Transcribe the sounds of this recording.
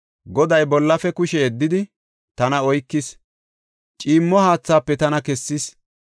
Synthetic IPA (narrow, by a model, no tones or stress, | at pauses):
ɡɔd̪ɐjbɔlːɐfɛkʊʃɛɛd̪ːɪd̪ɪ | t̪ɐnɐɔjkːɪs | t͡ʃʼiːmːɔhaːt͡sːaːpːɛt̪ɐnɐkɛsːɪs